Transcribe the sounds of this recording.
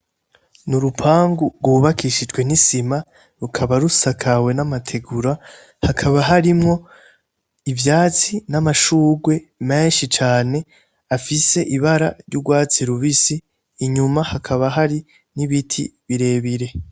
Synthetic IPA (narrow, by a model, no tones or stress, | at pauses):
nuɾupʰaːŋɡuɾɡwuβakiʃid͡ʒɡwe̞nisima | ɾukʰaβaɾusakʰawe̞namatʰe̞ɡuɾa | hakʰaβaɦaɾimŋo̞ | ivjaːt͡sinamaʃuːɡwe̞me̞ːnʃit͡ʃaːne̞ | afise̞ʔiβaɾa̰ɾjuɡwaːt͡siɾuβisiː | ɲumahakʰaβaɦaɾi | niβitʰḭβiɾe̞ːβiɾe̞